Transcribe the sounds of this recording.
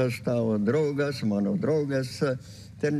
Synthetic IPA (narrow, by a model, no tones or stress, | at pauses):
ɑst̪ɑd̪ɾoːɡɑsmɑnod̪roːɡɑsː | t̪en